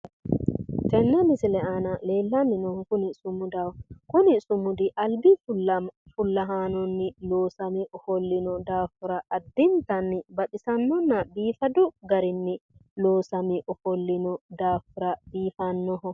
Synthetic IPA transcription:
t̪ɛnːɛmɪsɪlɛʔaːnɐle̞ːlːɐnːɪnɔhɔkʊnɪsʊmʊd̪awkʊnɪsʊmʊd̪ɪʔɐlbɪfʊɐfʊlːɐɦaːnɔnːɪloːsɐmɪʔɔfɔlːɪnɔd̪aːfʊɾɐʔɐd̪ːɪnt̪ɐnːɪbɐt̪ɪsɐnːɔnːɐbiːfɐd̪ʊɡɐɾɪnːɪloːsɐmɪʔɔfɔlːɪnɔd̪aːfʊɾɐb̥iːfɐnːɔhɔ

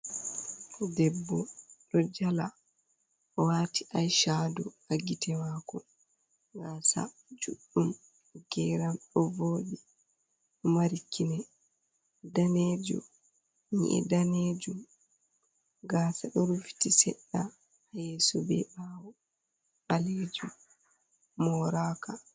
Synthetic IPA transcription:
dɛbːɔɗɔd͡ʒala | ɔwatiʔajʃadɔhaɡitɛmakɔ | ɡaːsa̰ | d͡ʒuɗːum | ɡ̥ɛɾamɗɔvoːɗi | ɔmaɾikʰːinɛ | daned͡ʒṵ | ɲḭʔɛ̰daned͡ʒum | ɡaːsaɗɔɾufi̥tisɛ̰ɗːa | hajesɔbɛ̰ɓawɔ | ɓaled͡ʒu | mɔɾaka

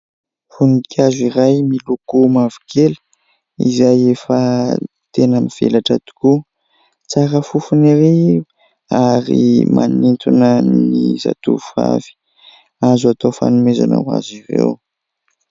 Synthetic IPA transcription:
funikʰʲaziɾajmilukumavi̥kʰelə̥ | izajefə | t̪enəmiv̥ḛlaʈ͡ʂat̪u̥ku | t͡saɾəfufuniɾi | aɾḭmʔa̰nint̪unəniza̰t̪ufa̰v̥i̥ | azuat̪ofa̰numeza̰na̰wa̰ziɾḛw

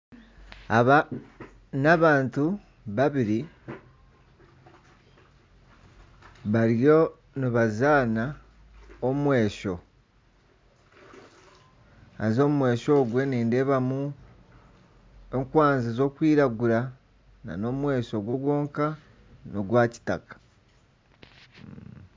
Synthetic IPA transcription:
aβa | naβaːntu | βaβiɾi | βaɾjo̞ | niβazaːna | omumwe̞ːʃo̞ | azo̞mumwe̞ːʃo̞ːɡweniːnde̞ːβamu | e̞ŋkwaːnzizo̞ːkwiːɾaɡuɾa | na̰no̞mwe̞ːʃo̞ɡwo̞ɡwo̞ːŋka | noɡwaːci̥takḁ

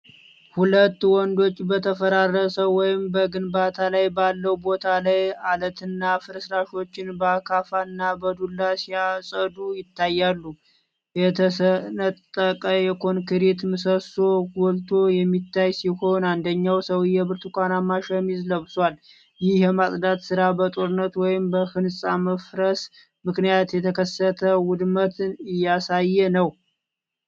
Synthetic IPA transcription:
hulət̪ːwɔnd̪o̞t͡ʃʼːbət̪ʰəfəɾarəsəwːɔjɪmbəɡɨnbat̪ʰalajbalːəwbo̞t̪ʰalajalət̪ʰɨnːafɨɾəsɾaʃo̞t͡ʃːɪnbəakʰafanːabəd̪ulːasijasʼəd̪ujɪt̪ʰːajːalːu | jɛt̪ʰəsənət̪ʼːəkʼəjɛkʰo̞nkʰɨɾet̪mɨsəso̞ɡɔlt̪ʰo̞jɛmːit̪ʰːajsiho̞nand̪əɲːawsəwjːɛβɨɾt̪ʰukʷʼanamːaʃəmizləβswal | jɪhjɛmasʼd̪at̪sɨɾabət̪ʼoɾɨnːət̪wɔjɪmbəfɨnsʼaməfɾəs | mɨknijat̪jɛt̪ʰəkʰəsːət̪ʰəwʊd̪mət̪ʰɨnɨjːasajːɛnəw

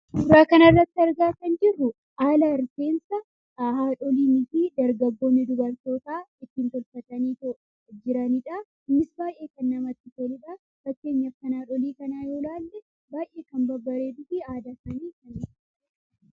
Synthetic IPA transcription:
ʊɾɾaːkɐnɐrːɐt̪ːɪɐɾɡaːkɐnd͡ʒɪrːʊ | ʔaːlaɪɾse̞ːnsɐ | haːᶑɔliːmɪfiːd̪ɐɾɡɐɡːo̞ːnːɪd̪ʊbɐɾt̪o̞ːt̪aːɪt̪ːiːnt̪ɔlfɐt̪ɐniːt̪ɔ | d͡ʒɪɾɐniːᶑa | mɪsbaːjʔe̞ːkɐnːɐmɐt̪ːɪfolɪᶑa | bɐkːe̞ːɲːɐfːɐnaːᶑɔliːkɐnaːjoːlaːlːɛ | baːjʔe̞ːkɐmbɐbːɐɾeːd̪ʊfiaːd̪ɐsɐniːkɐnɪ

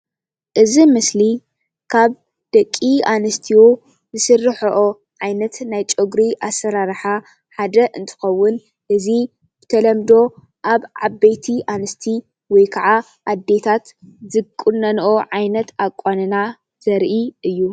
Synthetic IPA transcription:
ʔɨzimɨsli | kʰaβ | d̪̥ɐkʼːiʔanɨst̪ʰiwo | zɨsɨrːɨħoʔo | ʕajnɐt̪najt͡ʃʼoɡɾiʔasːɐɾaɾħa | ħad̪ɐʔɨnt̪ʰɨ̥xɐwːʊn | ʔɨzi | b̥ɨt̪ʰɐlɐmd̪o̞ | ʔaβʕabːejt̪ʰiʔanɨst̪ʰi | wɔjkʰɐʕa | ʔad̪ːe̞t̪ʰat̪zɨkʼːunːɐnʔoʕajnɐt̪akʼːanɨna | z̥ɐɾʔiɨjːu

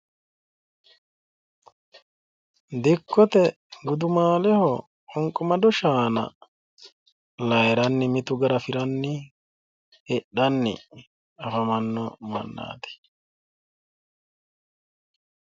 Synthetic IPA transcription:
d̪ɪkːɔt̪ɛ | ɡʊd̪ʊmaːlɛhɔ | ɔŋkʼɔmɐd̪ɔʃaːnɐ̰ | lɐjɾɐnːɪmɪt̪ʊɡɐɾɐfɪɾɐnːɪ | ɛɗːɐnːɛ̰ | ɐfɐmɐnːɔmɐ̰nːa̰ːt̪ɛ̥

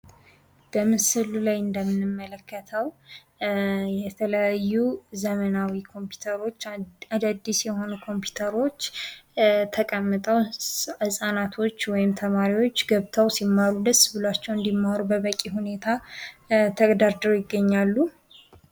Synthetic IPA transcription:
b̥əmɨsɨllajɨnd̪əmːɨnɨmːələkːət̪ʰəw | jɛt̪ʰələjajːuzəmənawikʰo̞mpʰju̥t̪ʰəɾo̞t͡ʃːad̪ad̪ːisjɛho̞nukʰo̞mpju̥t̪ʰəɾo̞t͡ʃː | t̪ʰəkʼəmːɨt̪ʼəwhɨsʼanat̪ʰo̞t͡ʃːwɔjɪmt̪ʰəmaɾiwo̞t͡ʃːɡəβt̪ʰəwsimːaɾud̪əsːbɨlat͡ʃːɛwɨnd̪imːaɾubəβəkʼihune̞t̪ʰa | t̪ʰəɡd̪aɾd̪əɾjɪɡːəɲːalːu

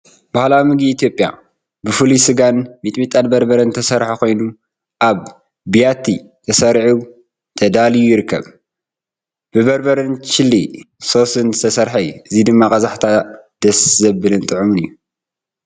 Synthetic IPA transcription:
b̥ahlawmɨɡiːt̪ijo̞pʼːja̰ | bɨfɨluisɨɡanmit̪ʼmit̪ʼat̪bɐɾbɐɾɐnt̪ʰɐsɐɾħakʰo̞jnu | ʔaβ | bijat̪ʰi | t̪ʰɐsɐɾħu | t̪ʰɐd̪alijujɪɾɨkʰːɐ̰β | b̥ɨbɐɾbɐɾɨnt͡ʃɪlːi | so̞sɨnzɨ̥t̪ʰɐsɐɾħajʔɨzid̪ɨmːakʼɐzaħt̪ʰad̪̥ɐszɐbɨlɨnt̪ʼɨʕumɨnɨjːu

